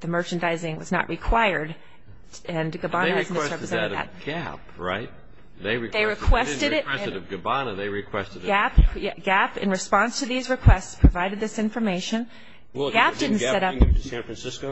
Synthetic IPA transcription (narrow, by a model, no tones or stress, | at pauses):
ðɨmɜ˞t͡ʃɨ̃ndaɪzɪ̃ŋwʌznə̰ʔɹʔɨkʰw̥aɪə˞d | ɨ̃nɡɨbɑnɨɨz̩ðɛsɹɛpɹɨzɛ̃ɾðɨ̰t̚ɡæ̰pɹa̰ɪt̚ | ðeɪɹɨkðeɪɹɨkʰw̥ɛstɨɾɪtɹɛɨɾʌvɡɨbɑnɨðeɪɹɨkʰw̥ɛstɨɡæpjæɡ̥æpɨ̰̃nɹɨspɑ̃nstʰɨðizɹɨkʰw̥ɛstspʰɹ̥ɨvaɪɾɨd̪̚ðɪsɪ̃ɱfə˞meɪʃɨ̃n | ɡæp̚d̥ɪdⁿn̩sɛɾʌpsæ̃nfɹ̃nsɪsko